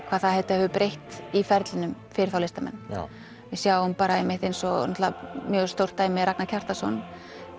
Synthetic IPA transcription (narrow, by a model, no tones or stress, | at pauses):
kʰvaːðθaðhɛvt̪aɛvʏpɾejht̪ifɛɾt̪lɪnʏmfɪɾɪɾ̥θaw̪ejst̪amɛ̰nː | vɪsjawʏmpaːɾaɛjmɪht̪ejnsɔɔt̪la̰mjœːɣst̪owr̥t̪ːaːjmɪɾaknaɾcʰar̥t̪asɔ̰n